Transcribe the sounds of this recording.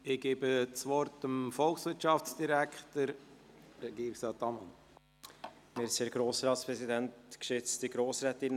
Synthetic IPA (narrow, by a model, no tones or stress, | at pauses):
ɪɡ̥eːbət͡sʋɔɾtəmfɔlksʋɪtʃɑft͡sd̥iɾækʰtəɾ | ɾɛɡiːɾɪksɑːt̪ɑmɑn | mɪɾseːɾɡ̥ɾoːsɾɑːtspɾɛsidɛntkʃʏt͡stiɡɾoːsɾɛtɪn